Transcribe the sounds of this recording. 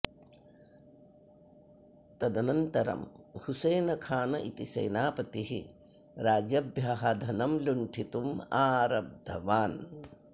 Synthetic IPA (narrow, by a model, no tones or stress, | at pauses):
t̪ɐd̪ɐnɐnt̪ɐɾɐ̰mhusɐːnɐkʰaːnɐ̰ʔit̪isɐ̰jnaːpɐt̪iɦi | ɾaːd͡ʒɐbʱjaːɦɐd̪ʱɐnɐmluɳʈʰit̪umaːɾɐb̚d̪ʱɐʋaːn